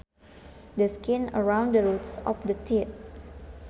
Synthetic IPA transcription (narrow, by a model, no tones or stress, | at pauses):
dəskɪ̃nə̰ɹãw̃ndəɹutsɔ̰fdətʰit̚